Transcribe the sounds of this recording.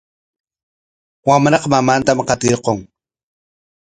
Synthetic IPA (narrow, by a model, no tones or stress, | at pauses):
wamɾɑqmamant̪amqɑt̪ɪɾqoŋ